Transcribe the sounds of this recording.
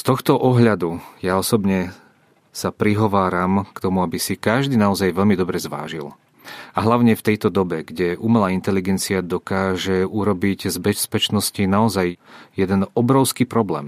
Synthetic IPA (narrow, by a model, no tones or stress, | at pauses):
st̪ɔxt̪ɔʔɔɦʎad̪ujaɔsɔbɲɛ | sapɾiɦɔʋaːɾamkt̪ɔmuabisikaʒd̪iːnaɔzajʋɛʎmid̪ɔbɾɛzʋa̰ːʒḭl | aɦlaʊɲɛft̪ɛjt̪ɔd̪ɔbɛɡɟɛʔumɛlaːint̪ɛliɡɛnt͡siad̪ɔkaːʒɛuɾɔbiɟzbɛspɛt͡ʃnɔscinaɔzajjɛd̪ɛnɔbɾɔʊskipɾɔblɛ̰ːm